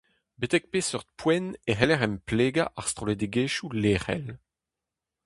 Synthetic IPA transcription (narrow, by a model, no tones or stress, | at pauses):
bet̪ɛk̚peːsœʁt̪̚pwɛneɦɛlɛʁɛmpleːɡaʔaʁst̪ʁoled̪eɡeːʃuleːχɛ̰l